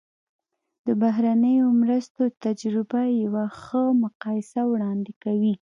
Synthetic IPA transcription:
d̪̥əbaɦɾanəjomɾəst̪ot̪ad͡ʒɾɪbajawaxəmʊqɑjɪsawɽɑnd̪ɪkawi

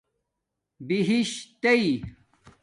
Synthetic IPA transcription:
biɦiɕt̪ei

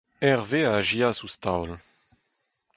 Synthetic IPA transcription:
ɛʁveaʒiasust̪awl

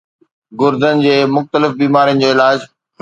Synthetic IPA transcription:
ɡʊɾd̪ənɪ̆d͡ʑeːmʊxt̪əlɪfbiːmaːɾijə̃nɪ̆d͡ʑoːɪlaːd͡ʑ

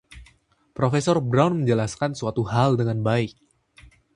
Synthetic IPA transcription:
pɾofesɔrbɾawnməɲd͡ʒəlaskansuat̪uɦaldəŋanbaɪk̚

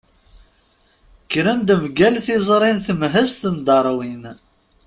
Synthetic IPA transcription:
kːɾənd̪əmɡælθizˤɾˤinθəmɦəst̪ənd̪ɑɾˤwin

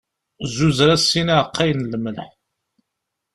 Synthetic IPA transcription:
zːuzɾæsːinæʕəqːæjnlməlħ

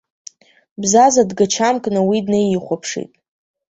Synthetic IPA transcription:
bzazadɡat͡ʃʰamkʼnawidnejiχʷapʰʂḭtʼ

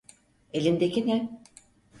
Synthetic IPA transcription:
elʲind̪ecinɛ

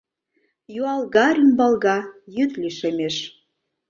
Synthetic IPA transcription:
juɑlɣɑɾʲimbɑlɣɑjyt̪liʃemeʃ

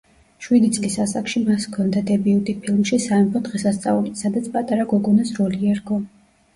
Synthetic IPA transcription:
ʃwid̪it̪sʼlisasakʃimaskʰɔnd̪ad̪ɛbiut̪ʼipʰilˠmʃisaɛpʰɔd̪ʁɛsast̪sʼaulisad̪at̪sʰpʼat̪ʼaɾaɡɔɡɔnasɾɔliɛɾɡɔ

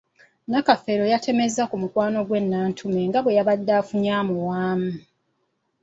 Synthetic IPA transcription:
nakafe̞ɾo̞jatʰe̞me̞zakumukwaːno̞ɡwe̞nːaːntʰume̞ŋɡaβwe̞jaβadːaːfuɲaːmuwaːmu

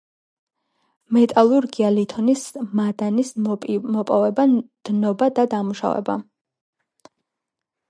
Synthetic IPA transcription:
mɛt̪ʼalˠuɾɡialit̪ʰɔnismad̪anismɔpʼɔvɛbad̪̥nɔbad̪ad̪amuʃa̰vɛ̰ba̰

